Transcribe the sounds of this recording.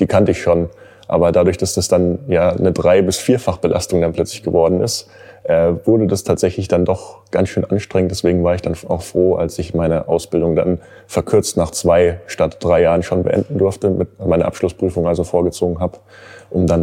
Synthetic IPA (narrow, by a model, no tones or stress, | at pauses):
d̥iːkʰantəɪçʃoːn | ʔa̰ːbɐdadʊɐçd̥asd̥asd̥anjaːnədʁaɪbɪsfiːɐfaχb̥əlʔa̰stʊŋdanpʰlœt͡slɪçɡ̥əvɔɐdn̩ɪst | ʔɛːvʊɐdədastʰaːtz̥ɛçlɪçd̥andɔχɡ̥ansʃøːnʔanʃtʁ̥ɛ̃ŋəntdɛsv̥eːɡŋ̩vaːɐɪçd̥ana̰ʊxfʁ̥oːʔa̰lsɪçmaɪnəʔaʊsb̥ɪldʊŋda̰n | fɛɐkʰʏɐt͡stnaːχt͡sv̥aɪʃtatd̥ʁaɪjaːʁənʃoːnbə̰ʔɛ̰ndn̩dʊɐftəmɪtmaɪnɐ̰ʔapʃlʊspʁ̥yːfʊŋʔalzofoːɐɡət͡soːɡŋ̩ɦaːbə | ʔʊmdan